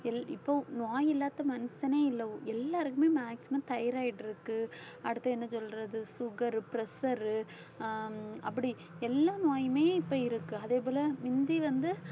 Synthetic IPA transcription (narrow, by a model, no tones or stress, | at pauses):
ɛlɪpːonaːjɪlːaːt̪ːɐmɐnɐsɐneːɪlːɐõɛlːaːɾɯkɯmeːmaːksɪmɐmt̪ɐjɐɾaːɪʈːɪɾɯkːɯɐɽɯt̪ːɐɛnːɐsɔlɾɐðɯsʊɣɐɾɯpɪɾɛsɐɾɯ | ɐp̬ːɐɽi | ɛlːaːnaːjmeːɪpːoːɪɾɯkːɯɐðeːp̬oːlɐmɪnd̪iʋɐnd̪ɯ